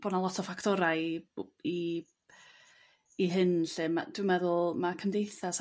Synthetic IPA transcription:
b̥ɔnalˠɔtʰɔfaktʰɔɾaji | iɦɨnɬɨmad̥wɪmɛðʊlˠmakʰəmdejθas

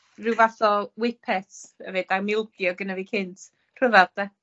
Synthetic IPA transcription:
rɪwvaθɔwɪpʰɛθɛvɨdamɪlˠɡjɔɡənaviːkʰɪntʰ | r̥əvɛrd̥ɛ

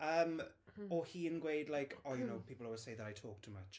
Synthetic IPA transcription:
əːm | ɔhiːə̃nɡwejdlajkʰɔjənowpʰiːplˠəwəsejðəɾajtʰɔːk̚tʰəmat͡ʃ

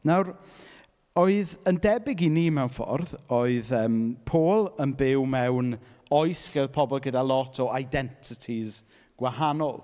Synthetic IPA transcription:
nawr | oɨðəndɛbɪɡiniːmɛwnfɔ̰rðoɨðəːmpʰoːlˠənbɪwmɛwn | ɔɨsɬɛðpʰɔbɔlˠɡədalˠɔtʰɔajdɛntʰɪtʰiz | ɡ̥wahanɔlˠ

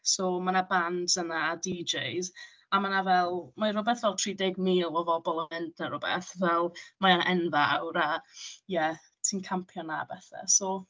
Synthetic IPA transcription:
sɔmanabandənaːdid͡ʒejz | amanavɛlˠmarʊbɛθvɛlˠtʰriːdɪɡmiːlˠɔvɔbɔlˠəmɪndnaɾʊbɛ̰θvɛlˠmaanɛnðaa̰wɾajɛ | tʰiːnkʰampʰjɔnab̥ɛθa̰sɔ

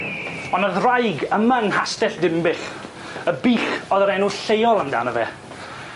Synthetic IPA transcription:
ɔnəðrajɡəmanhastɛɬdɪmbɪɬ | əbiːɬɔðəɾɛnuɬejɔlˠəmda̰ːnəvɛ̰ː

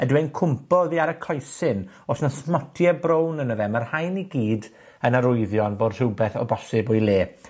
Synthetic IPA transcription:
ɛdwejnkʰʊmpɔðiaɾəkʰɔjsɪn | osnasmɔtʰjɛbrownənəvɛmarhajniɡiːd | ənaɾʊɨðjɔnboːd̥r̥ɪwbɛθɔ̰bɔsɪbojlˠeː

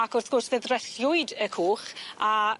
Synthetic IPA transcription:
akʊrθɡ̥ʊrsveðrɛɬjʊɨdəkʰoːχa

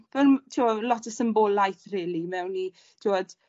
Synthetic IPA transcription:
v̥ɛntʰiɔlɔtʰəsəmbolˠajθrɛːlimɛwni | tʰiwɔd̥

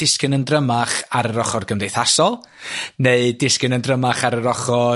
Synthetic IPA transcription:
dɪskɪnəndrəmaχaɾəɾɔχɔrɡəmdejθasɔlˠ | neɨdɪskɪnəndrəmaχaɾəɾɔχɔ

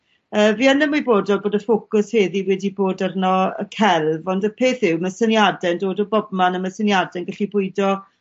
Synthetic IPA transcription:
əːvianɛmːiboːdɔboːdəfokʊsheːðiwɛdiboːdərnɔə̰kʰɛlˠvɔndəpʰeːθhɪwmasənjadɛndoːdɔbɔbmanəmasənjadɛnɡəɬibʊɨdɔ

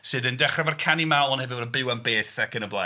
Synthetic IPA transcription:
sɨːðəndɛχravarkʰanimawlˠɔnhɛvɨɾənbɪwanbeːθakənəblˠa̰

